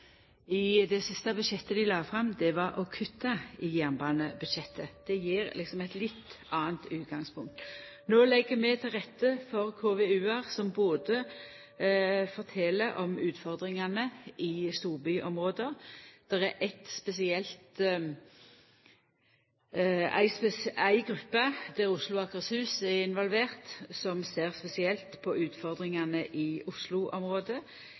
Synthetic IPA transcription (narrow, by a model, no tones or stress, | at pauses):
ɪd̪ɛsɪst̪ɑbʉd̪ʃɛt̪ːəd̪ɪlɑːfʁɑmːd̪ɛʋɑɾʔɔkʰʉt̪ːɑɪjænbɑːnəbʉd̪ʃɛt̪ʰːəd̪̥ɛjiːɾlɪksɔmɛɪt̪lɪt̪ː | ɑːənt̪ʉːt̪̚ɡɑŋspʰʊŋk̚t̪ | noːlɛɡːəmɛt̪ʰɪlʁɛt̪ːəfɔʁkʰoːʋɛʉːæʁsɔmboːd̪ə | fɔʁt̪ʰɛləɾʔɔmʉːt̪fɔʁd̪ʁɪŋɑnəʔɪst̪uːʁbʏʔɔmʁoːd̪əd̪̥ɛʁɛɾʔɛt̪spɛsɪɛlt̪ | æ̰ɪspɛsæɪɡʁʉpːəd̪̥æʁʊslʊɑkəshʉːsɛʁɪnʋɔlʋeːʁt̪sɔmseːʁspɛsɪɛlt̪pʰɔʔʉːt̪fɔʁd̪ʁɪŋɑnəʔɪʊslʊʔɔmʁoːd̪ə